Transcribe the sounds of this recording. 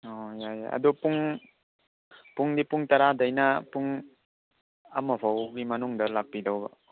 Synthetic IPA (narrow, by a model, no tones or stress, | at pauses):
ɔjaja̰a̰dupuŋ | puŋdipuŋtaɾadajnapuŋ | amɔpʰawɡimɐnuŋdɐlak̚pːidawba̰